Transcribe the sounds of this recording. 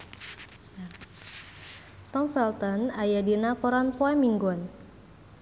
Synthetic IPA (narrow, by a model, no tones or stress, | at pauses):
t̪ɔmfɛlt̪ɔnajadinakɔɾanpɔɛmiŋɡɔn